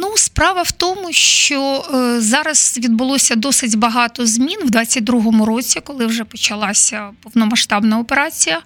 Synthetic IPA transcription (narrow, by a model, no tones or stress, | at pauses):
nuspɾɑʋɐwt̪ɔmʊʃt͡ʃɔzɑɾɐz̥ʋʲid̪̚bʊlˠɔsʲɐd̪ɔsɪtʲbɐɦɑt̪ɔzmʲinwd̪ʋɑt͡sʲːɐt̚ʲd̪ɾuɦɔmʊɾot͡sʲikɔlˠɪwʐɛpɔt͡ʃɐlˠɑsʲɐpɔwnɔmɐʃt̪ɑbnɐɔpeɾɑt͡sʲijɐ